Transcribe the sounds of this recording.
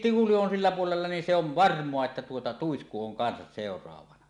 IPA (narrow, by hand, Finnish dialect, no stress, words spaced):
tihuli on silːæ puolelːɑ nin se oʋ ʋɑrmˑoɑ etːæ tuotɑ tuisku oŋ kɑnsɑs seˑorˑɑːʋɑnɑ